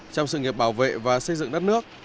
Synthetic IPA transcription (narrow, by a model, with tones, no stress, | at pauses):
t͡ɕɔ˧wŋ͡msɨ̰˧˨ŋi˨˩əp̚ɓaː˧˩wvḛ˧˨vaː˨˩sə˧jzɨ̰˧˨ŋɗə˦˥t̚nɨ˦˥ək̚